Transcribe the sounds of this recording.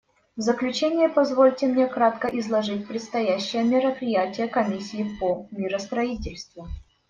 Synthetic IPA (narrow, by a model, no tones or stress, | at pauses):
vzəklʲʉt͡ɕenʲɪjəpɐzvolʲtʲɪmnʲekɾat̪kəʔɪzlˠɐʐɨt̚ʲpɾʲɪt̪st̪ɐjæɕːɪjəmʲɪɾəpɾʲɪjætʲɪjəkɐmʲisʲːɪːpomʲɪɾəst̪ɾɐitʲɪlʲst̪vʊ